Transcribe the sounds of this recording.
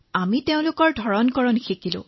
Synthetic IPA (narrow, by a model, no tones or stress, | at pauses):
amiteʊ̃lʊkɔɹdʱɔɹɔnkɔɹɔnxʰikilʊ̰̃